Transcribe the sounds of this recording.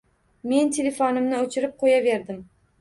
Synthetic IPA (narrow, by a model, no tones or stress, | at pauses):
me̞nt̪ʰelefonɪmnɪɵt͡ʃʰɪɾɪp̚qʰojave̞ɾd̪ɪm